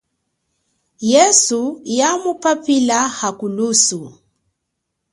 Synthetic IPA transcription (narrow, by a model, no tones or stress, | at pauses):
jɛsujamupapilahakulusu